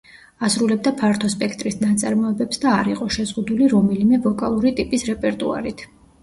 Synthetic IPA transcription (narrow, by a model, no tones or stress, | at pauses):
asɾulɛb̚d̪apʰaɾt̪ʰɔspʼɛkʰt̪ʼɾisnat̪sʼaɾmɔɛbɛpsd̪aːɾiqʼɔʃɛzʁud̪uliɾɔmɛlimɛvɔkʼalˠuɾit̪ʼipʼisɾɛpʼɛɾt̪ʼua̰ɾit̪ʰ